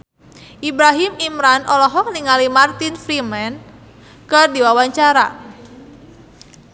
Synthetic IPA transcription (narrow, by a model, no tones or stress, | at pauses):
ʔibɾaɦimimɾanʔɔlɔɦɔk̚niŋalimart̪infɾimɛn | kɨrdiwawaɲt͡ʃaɾa